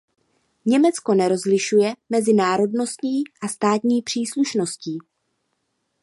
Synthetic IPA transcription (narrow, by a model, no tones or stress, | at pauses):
ɲɛmɛt͡sko̞nɛɾo̞zlɪʃujɛmɛzɪnaːɾo̞dno̞st̪ɲiːʔast̪aːt̪ɲiːpr̝̥iːsluʃno̞sciː